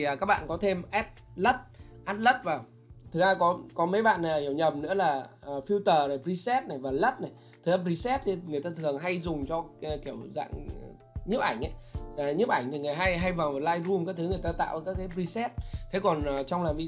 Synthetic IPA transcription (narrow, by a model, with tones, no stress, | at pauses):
kaː˦˥k̚ɓa̰ː˧˨kɔ˨˦t̪ʰe˧mʔɛ˦˥p̚lə˦˥t̚ʔaː˦˥t̚lə˦˥t̚vaː˨˩w | t̪ʰɨ˨˩k̚zaː˧kɔ˨˦kɔ˨˦mə˨˦jɓa̰ː˧˨na˨˩hi˧˩əwɲə˨˩pm̚nɨ̰˧˥əlaː˨˩˨fi˧wt̪əː˨˩na˨˩pɾi˧sɛ˦˥t̚na˨˩jvaː˨˩lə˦˥t̚na˨˩j | t̪ʰɨ˨˦ʔɛ˦˥p̚zi˧sɛ˦˥t̪̚i˨˩ŋɨ˨˩əjt̪aː˧t̪ʰɨ˨˩əŋɦa˧jzʊ˨˩ŋ͡mt͡ɕɔ˧˨ki˧˩əwza̰ː˧˨ŋ | ɲɨ˦˥p̚ʔa˧˩jŋ̟ʔa˨˦jɲɨ˦˥pʔa˧˩jŋ̟t̪ʰi˨˩ŋɨ˨˩jɦa˧jɦa˧jva˨˩ɔ˨˩laː˧jzu˧mkaː˦˥k̚t̪ʰɨ˨˦ŋɨ˨˩əjt̪aː˧t̪a̰ː˧˨wʔə˨˩kaː˦˥kːaː˨˦pɾi˧sɛ˦˥t̚t̪ʰe˨˦kɔ˨˩nː˨˩t͡ɕɔ˧wŋ͡mlaː˨˩mvi˧